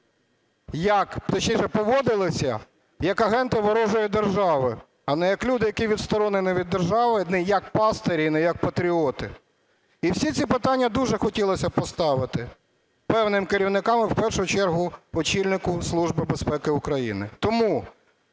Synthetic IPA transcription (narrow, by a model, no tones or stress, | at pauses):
jɐkt̪ɐt͡ʃɲʲijʃɛpɔʋɔd̪ɪlˠɪsʲɐ̰ | jɐkɐɦɛnt̪ɪʋɔɾɔʒɔjid̪erʒɑʋɪ | ɐnɛjɐklʲud̪ɪjɐkiʋʲid̪st̪ɔɾɔnɪnɪʋʲid̪ːerʒɑʋɪnɛjɐk̚pɑst̪eɾʲinɛjɐk̚pɐt̪ɾʲiɔt̪ɪ | iwsʲit̪sʲipɪt̪ɑnʲːɐd̪uʒɛxɔtʲilˠɔsʲɐpɔst̪ɑʋɪt̪ɪ | pɛwnɪmkeɾʲiwnɪkɑmɪwpɛrʃʊjt͡ʃɛrɦʊɔt͡ʃilʲnɪkʊslˠuʒbɪbespɛkɪʊkɾɐjḭnɪ̰t̪ɔmu